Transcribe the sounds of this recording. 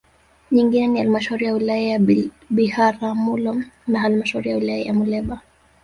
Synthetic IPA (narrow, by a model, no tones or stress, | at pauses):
ɲiŋɡinɛnihalimaʃauɾijawilajaja | ɓihaɾamulɔnaɦalimaʃauɾijawulajaja̰mulɛɓa